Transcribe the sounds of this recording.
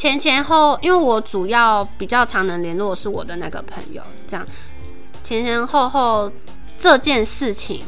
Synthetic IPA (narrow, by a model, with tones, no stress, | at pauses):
t͡ɕʰjɛ˧˥nt͡ɕʰjɛ˧˥nxo˥˩ʊi˥nwe˥˩ɪwɔ˧˥ʈ͡ʂu˨˩jɑ˥˩ʊpi˨˩t͡ɕjɑ˥˩ʊʈ͡ʂʰɑ˧˥ŋnə˧˦ŋljɛ˧˦˥nlwɔ˥˧ʂɻ̩˥˩wɔ̰˨˩d̪ə˦na˥˩ɡə̰˩pʰə̰˧˥ŋjo̰˨˧ʊʈ͡ʂɤ˥˧jɑ̰˥˨˩ŋ | t͡ɕʰjɛ˧˥nt͡ɕʰjɛ˧˦˥nxo˥˧ʊxo˥˧ʊ | ʈ͡ʂɤ˥˧t͡ɕjɛ˥˧nʂɻ̩˥˩t͡ɕʰḭ˨˦ŋ